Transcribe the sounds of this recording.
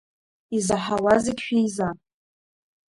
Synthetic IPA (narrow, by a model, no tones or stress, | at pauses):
izaħawazɨɡʲʃᶣijza